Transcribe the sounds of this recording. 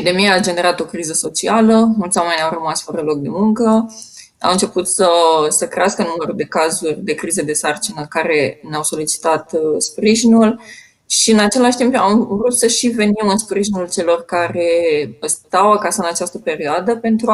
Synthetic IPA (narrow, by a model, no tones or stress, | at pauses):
epid̪e̞mijaːd͡ʒe̞ne̞ɾat̪o̞kɾizəso̞t͡ʃialəmult̪sʲwame̞nʲawrəmasfəɾəlo̞k̚d̪e̞̰muŋkə | a̰wɨnt͡ʃe̞put̪səsəkɾeaskənumeɾud̪e̞kazurʲd̪ekɾized̪e̞sart͡ʃinəkaɾe̞neawso̞lit͡ʃi̥t̪at̪spɾiʒinul | ʃiɨnat͡ʃe̞laʃt̪impamvɾut̪səʃive̞nimɨnspɾiʒinult͡ʃe̞lo̞rkaɾe̞st̪awakasəɨnat͡ʃast̪əpe̞ɾioad̪əpe̞nt̪ɾu